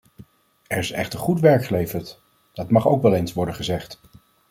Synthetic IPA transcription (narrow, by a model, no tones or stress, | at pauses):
ɛɹɪsɛ̰χtəɹχutʋɛɹkχəlejvəɹt | d̥ɑtmɑχo̰wkʋɛlˠejnsʋɔɹdəχəzɛχt